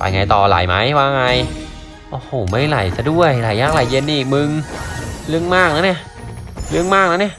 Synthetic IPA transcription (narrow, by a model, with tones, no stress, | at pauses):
pa̰˧jŋa˧jt̪ɔː˨˩la̰˨˩˦jma˦˥jwaː˧˩ŋa˧j | ʔoː˧˩hoː˨˩˦ma˥˩jla˨˩˦jta˧du˥˩əjla˨˩jːaː˥˩k̚la˨˩je˧nːi˧˨˩k̚mɯ˧ŋ | lɯ˥˩əŋmaː˥˩k̚naː˧˦˥wni˥˩əʔ | lɯ˥˩əŋmaː˥˩k̚naː˧˦˥wni˥˩əʔ